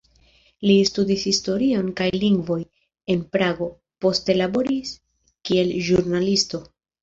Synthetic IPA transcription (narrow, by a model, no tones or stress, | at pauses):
listudishisto̞ɾio̞nkajliŋɡvo̞j | e̞npɾaɡo̞ | po̞ste̞labo̞ɾis | kie̞lʒuɾnalisto̞